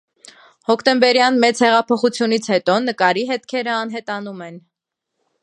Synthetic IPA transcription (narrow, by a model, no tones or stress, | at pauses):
hɔkʰt̪ɛmbɛɾjɑnmɛt͡shɛʁɑpʰɔχut͡sʰjunit͡sʰhɛt̪ɔnəkɑɾiɦɛt̪kʰɛɾəɑnɦɛt̪ɑnumɛn